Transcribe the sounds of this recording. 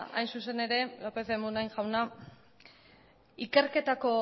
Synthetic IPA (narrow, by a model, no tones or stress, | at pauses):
a̰jnsuse̞ne̞ɾe̞lope̞θemunajnʝawna | ike̞ɾke̞t̪ako̞